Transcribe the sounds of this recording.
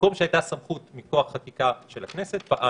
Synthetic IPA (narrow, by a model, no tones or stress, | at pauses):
komʃeajt̪asamχut̪miko̞aχχakikaʃelakne̞se̞t̪̚paʔa